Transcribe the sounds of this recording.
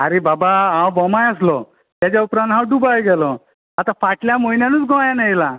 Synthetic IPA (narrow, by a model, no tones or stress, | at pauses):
aɾebabaɦãwbɔmajaslɔ | t̪jat͡ɕaupɾãnd̪ʱɦãwɖubajɡɛlɔ | at̪afaʈljamojnjanuːt͡sɡɔajanajla